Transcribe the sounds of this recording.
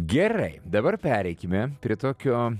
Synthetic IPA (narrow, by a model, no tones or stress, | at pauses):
ɡʲɛɾɐɪd̪ɐbɐɾpʲæːɾʲɛɪkʲɪmʲɛpʲɾʲɪːt̪oːkʲoː